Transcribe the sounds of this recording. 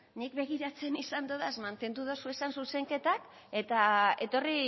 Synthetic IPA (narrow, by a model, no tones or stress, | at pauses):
nikbe̞ɣ̞iɾat͡se̞nisand̪oðaezmant̪e̞nd̪uðosue̞sansuse̞ŋke̞t̪ak | e̞t̪ae̞̰t̪o̞ri